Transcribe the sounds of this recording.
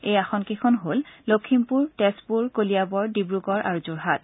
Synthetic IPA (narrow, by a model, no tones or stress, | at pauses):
ejaxɔnkekʰɔnɦollokʰimpuɹtɛspuɹkolijabɔɹdibɹukɔɹʔa̰ɹuzuɹɦat